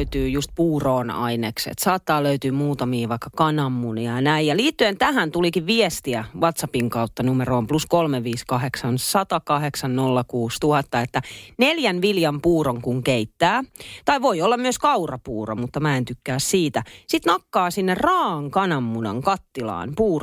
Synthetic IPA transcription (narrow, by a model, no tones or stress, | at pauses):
yt̪yːjust̪̚puːroːnɑ̰ineksḛt̪sɑːt̪ːɑːløyt̪yːmuːt̪ɑmiːʋɑikːɑkɑnɑmːuniɑnæijɑliːt̪ːyent̪æhænt̪ulikiʋʋiest̪iæʋɑt̪sɑpiŋkɑut̪ːɑnumeɾoːmpluskolmeʋiːskɑɦeksɑnsɑt̪ɑkɑheksɑnnolːɑkuːst̪uhɑt̪ːɑet̪ːæneljænʋiljɑmpuːroŋkuŋkeit̪ːæːt̪ɑiʋoiolːɑmmyøskɑurɑpuːro̰mut̪ːɑmæent̪ykːæːssiːt̪æsit̪nɑkːɑːsinːerrɑːɑŋkɑnɑmːunɑ̰ŋkɑt̪ːilɑ̰ːnpuːr